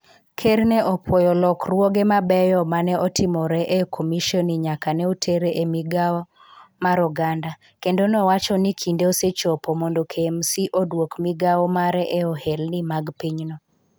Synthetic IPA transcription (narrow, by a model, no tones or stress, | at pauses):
kʰeɾnɛʔɔpwojɔlɔkrwoɡemabɛjɔmanɛʔɔtɪmɔɾɛʔekʰomiʃɔniɲakanɛutʰeɾeʔemiɡawɔ | maɾɔɡanda | kendonɔwat͡ʃɔnikʰindeoset͡ʃopomondokʰemsiʔodwokmiɡawɔmaɾɛʔeɔhelnimaɡpiɲnɔ